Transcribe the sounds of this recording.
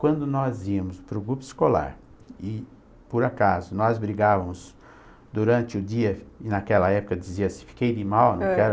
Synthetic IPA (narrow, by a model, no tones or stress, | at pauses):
kwɐ̃nd̪ʊnɔziɐmʊspɾʊɡɾupʊɪ̥skola̰ɾ | ɪ | poɾakazʊnɔzbɾiɡavɐmʊs | d̪uɾɐ̃nt͡ʃɪʊd͡ʒiɐɪnakɛlɐɛpʊkɐd͡ʒiziɐsɪ̥̃fi̥kejd̪ɪmawnɐ̃ww̃kɛɾ